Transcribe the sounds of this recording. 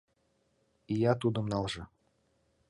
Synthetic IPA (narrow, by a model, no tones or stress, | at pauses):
ijat̪ud̪ɤ̆mnɑlˠʐɤ̆